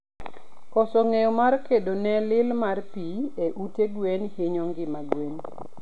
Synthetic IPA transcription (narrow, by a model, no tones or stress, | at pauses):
kɔsɔŋejɔmarkedonɛlɪlmarpieʔuteɡwenhɪɲɔŋɡɪmaɡwen